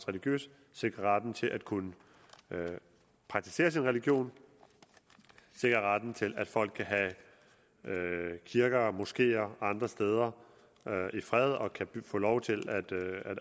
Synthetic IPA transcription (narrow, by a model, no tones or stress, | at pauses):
sʁɛliɡ̥jø̰ːs | se̝ɡ̥ʁɐʁad̥n̩t͡sʰe̝lʔæd̥kʰunə | pʰɑ̈ɡ̥̚t͡sʰi̥se̝̰ːɐsinʁɛliɡ̥jo̝̰ːn | se̝ɡ̥ʁɐʁad̥n̩t͡sʰe̝læd̥fɒ̽l̰ɡ̥̚kʰæɦæ | kʰiɐɡ̥ɐmusɡ̥e̝̰ːɐɑ̈nd̥ʁɐsd̥eːð̞ˠɐ | øifʁɛð̞ˠɒ̽kʰæ̥fɔ̰ːlɒʊt͡sʰe̝læd̥æd